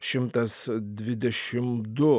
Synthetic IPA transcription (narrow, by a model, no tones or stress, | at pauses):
ʃɪmt̪ʼɐsd̪vid̪ɛʃɪmd̪u